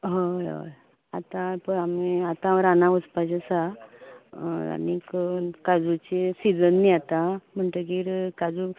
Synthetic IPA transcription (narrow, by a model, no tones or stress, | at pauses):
ɦəjɦə̰j | at̪ãpəɳamiat̪ãɾanaʋəspad͡ʑesa | a̰nikkad͡zut͡ɕesid͡zənːiat̪am̤əɳʈək̬iɾkad͡zu